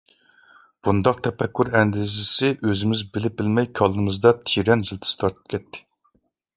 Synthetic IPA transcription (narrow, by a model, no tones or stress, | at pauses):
b̥und̪ɑq̚t̪ʰɛpɛkʲʰːyɾɛnd̪ɪzɪsɪʔøzɪmɪzbɪlɪp̚bɪlmɛjkʲʰɑlˠɨmɨzd̪ɑt̪ʰiɾɛnʒɪlt̪ʰɪ̥st̪ʰɑɾt̪ʰɨ̥p̚kʲɛt̪ʰːɪ̥